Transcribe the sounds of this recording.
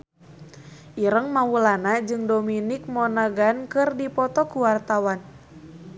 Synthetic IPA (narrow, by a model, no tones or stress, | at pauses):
ʔiɾəŋmawulanad͡ʒɨŋdominik̚mɔnaɡankɨrdipɔt̪ɔkuwart̪awan